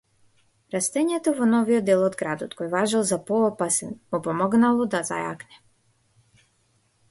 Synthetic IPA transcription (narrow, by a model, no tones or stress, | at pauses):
ɾast̪ɛɲɛt̪ɔvɔnɔvijɔd̪ɛlˠɔd̪ɡɾad̪ɔt̪kɔjvaʒalˠzapɔːpasɛnmupɔmɔɡnalˠɔd̪aza̰ja̰knɛ